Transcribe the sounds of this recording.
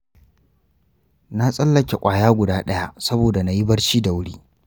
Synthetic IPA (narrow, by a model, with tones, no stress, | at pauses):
na˦sʼɐ˦lːɐ˨kʲe˨kʷʼaː˨jaː˦ɡʷʊ˨daː˦ɗɐ˦ja˦sɐ˦boː˨da˨na˨ji˦bɐ˦ɽʃiː˦da˨wʊ˦ɽiː˦